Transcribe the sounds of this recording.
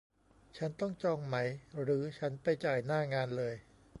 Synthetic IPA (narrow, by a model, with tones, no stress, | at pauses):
t͡ɕʰa˦˥nt̪ɔ˥˩ŋt͡ɕɔː˧ŋma˦˥jɾɯː˩˦t͡ɕʰa˦˥npa˧jt͡ɕaː˨˩jnaː˥˩ŋaː˧nlɤː˧j